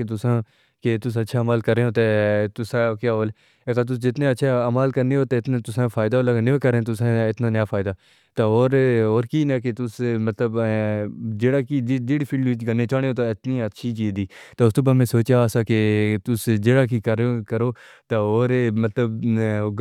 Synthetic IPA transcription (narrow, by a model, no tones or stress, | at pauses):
et̪ʊsãː | ket̪ʊs̬ətːʃʰaːmaːlkəɾeːoːt̪et̪ʊsãːkjaːoːle | əkaːt̪̬ʊsd͡ʒɪt̪nẽːətːʃʰaːəmaːlkəɾneːɦoːt̪eɪt̪neːt̪ʊsãːfʰaːɪd̪aːoːləɡneeːkəɾẽːt̪̬ʊsãɪt̪naːnjaːfʰaːɪd̪aː | t̪aoːɾoːɾkiːnaːket̪ʊsmət̪ləb | d͡ʒeːɽaːkiːd̪ɪɽpʰɪːɖʋɪt͡ʃɡənːeːt͡ʃaːneoːt̪oɪt̪niːətːʃʰiːt͡ʃiːd̪iːt̪eʊst̪oːp̬əmẽːsoːt͡ʃjaːsaːket̪ʊsd͡ʒeːɽaːkiːkəɾkəɾoːt̪aoːɾmət̪ləb